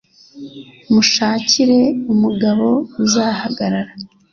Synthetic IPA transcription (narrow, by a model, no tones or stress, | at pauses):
muʃaːciɾe̞umuɡaβo̞uzahaɡaɾaɾa